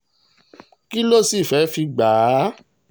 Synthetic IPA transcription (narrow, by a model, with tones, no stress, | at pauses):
ki˦lo˦˨si˦˨fɛ˨˦fi˧ɡ͡baː˨˦